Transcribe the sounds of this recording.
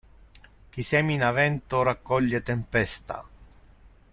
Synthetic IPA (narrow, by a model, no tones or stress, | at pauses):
k̟isɛːminavɛnt̪ʊrakːɔʎːet̪empɛst̪a̰